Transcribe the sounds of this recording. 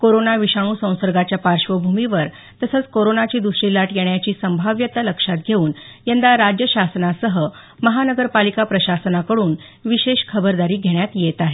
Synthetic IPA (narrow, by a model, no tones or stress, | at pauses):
koɾonaʋiɕaɭ̃uːsə̃w̃səɾɡat͡ɕjapaɾʂʋəbʱumiʋəɾ | t̪əsət͡skoɾonat͡ɕiːd̪usɾilaʈjeɳjat͡ɕiːsəmbʱaʋjət̪aləkʂat̪̚ɡʱeuːn | jend̪aɾad͡ʑjəɕasnasəɦə | məɦanəɡəɾpalikapɾəɕasənakəɽuːn | ʋiɕeɕkʰəbəɾd̪aɾiːɡʱeɳjat̪jet̪aɦe